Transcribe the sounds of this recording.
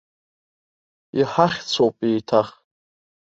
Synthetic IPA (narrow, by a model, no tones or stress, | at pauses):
iħaχʲt͡sʷʰowpʼejtʰaχ